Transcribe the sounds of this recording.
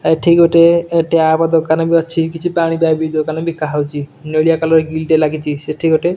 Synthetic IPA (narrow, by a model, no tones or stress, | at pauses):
ajʈʰikoʈeeʈeapad̪ɔkanabiɔːt͡ʃʰikit͡ʃʰipaɽ̃ibabid̪okanabikaɦawt͡ʃinolijakalɔɾɡilʈelaɡit͡ʃʰiseʈʰikoʈe